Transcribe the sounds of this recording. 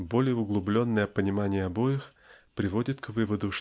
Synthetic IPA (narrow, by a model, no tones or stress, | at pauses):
bo̞lʲɪjəʊɡlˠʊblʲo̞nːəjəpənʲɪmanʲɪjəɐbo̞jɪx | pɾʲɪvo̞dʲɪt̪kvɨvəd̪ʊʂ